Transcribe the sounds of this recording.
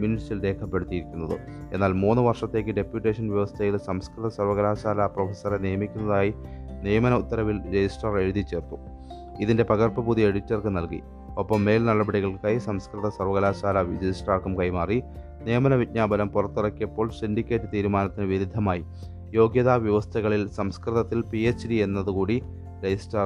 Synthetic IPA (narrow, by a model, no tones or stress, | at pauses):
minisilɾeːkʰɐpːe̞ɽut̪ːijiɾikʲːunːɐðɨ̰ | e̞nːaːlmuːnːɨʋɐrʂɐt̪ːe̞ːk̬ːɨɖe̞pjuʈːe̞ːʂɐnʋjɐʋɐst̪ʰɐjilsɐmskɾt̪ɐsɐrʋɐɣɐlaːɕaːlaprofesɐrenejɐmikʲːunːɐðaːjinijɐmɐnɐut̪ːɐɾɐʋilɾed͡ʑisʈrɐre̞ɻuðit͡ɕe̞ːrt̪u̥ | iðinde̞pɐɣɐrpɐbuðie̞ɽitːɐrkɨnɐlkḭ | opːɐmːe̞ːlnɐɭɐbɐɽiɣɐɭkajisɐmskrɨðɐsɐrʋɐɣɐlaːɕaːlaʋid͡ʑɐjsʈaːkɐmkɐjmaːri | nijɐmɐnɐʋitɲaːbɐlɐmpurɐt̪ːirɐkːijɐpːo̞ːɭsindikʲːe̞ːtːɨt̪iːɾumaːnɐt̪ːinɨʋiɾud̪ʱːɐmaːji | jo̞ːɡjɐðaːʋjɐʋɐst̪ʰɐɣɐɭilsɐmskrɨðɐt̪ːilpiet͡ɕːdie̞nːɐðukuːɽi | ɾed͡ʑisʈɐr